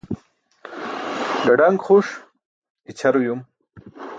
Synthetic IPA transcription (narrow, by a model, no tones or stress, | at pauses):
ɡaɖaŋɡχuʂ | it͡ɕʰaɾjum